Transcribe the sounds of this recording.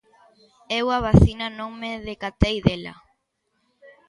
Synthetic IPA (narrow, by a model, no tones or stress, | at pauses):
ewaβaθinanõmeðekat̪ejðela̰